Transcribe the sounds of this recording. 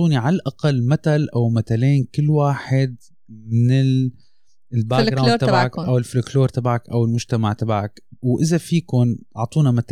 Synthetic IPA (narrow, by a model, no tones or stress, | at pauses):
uːniʕalalʔaqalːmat̪alʔawmat̪aleːnkɪlːwaːħɪd̪̚ | mɪnɪl | lbaɡɾaːɾt̪abʕakʔawɪlflɪkloːɾˤt̪abʕakʔawɪlmʊʒt̪amaʕt̪abaʕakwʔɪzafiːkʊnɑʕt̪ˤuːnamat̪a